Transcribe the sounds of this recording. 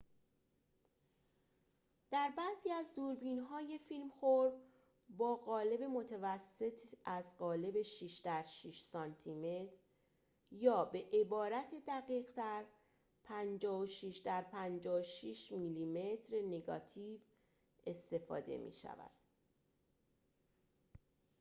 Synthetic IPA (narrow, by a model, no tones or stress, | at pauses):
d̪̥æɾbæziːæzd̪uːɾbiːnɦɒːje̞filmxoɾ | bɒːɣɒːle̞be̞mo̞t̪ʰævæsːe̞t̪ʰæzɢɒːle̞be̞ʃiːʃd̪æɾʃiʃsɒnt̪ʰime̞t̪ʰɾ | jɒːbe̞ʔebɒːɾæt̪ʰed̪æɣiːɣt̪æɾ | pʰænd͡ʒɒːhoʃiːʃd̪æɾpʰænd͡ʒɒːʃiːʃmiliːme̞t̪ʰɾeneɡɒ̰ːt̪ʰiːv | e̞st̪e̞fɒ̰ːd̪e̞̰mḭːʃæ̰væ̰d̪̥